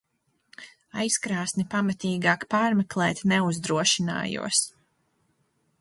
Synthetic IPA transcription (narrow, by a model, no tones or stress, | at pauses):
ajskɾaːsnipamat̪iːɡaːkpaːɾmɛklˠɛːt̪ʲnɛuzd̪ɾuɔʃina̰ːjṵɔs